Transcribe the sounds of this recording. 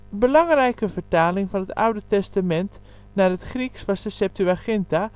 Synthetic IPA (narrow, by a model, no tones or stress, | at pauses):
bəlɑŋrɛjkəvətaːlɪŋfɔnəta̰wdətɛstamɛnt | narətχriksfasdəsɛp̚tyaxɪnta